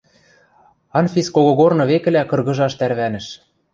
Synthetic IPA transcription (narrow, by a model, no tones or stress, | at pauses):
ɑnfʲiskoɣŏɣornɤ̆βekɘ̆lækɤ̆rɣɤ̆ʒɑʃt̪æɾβænɘ̆ʃ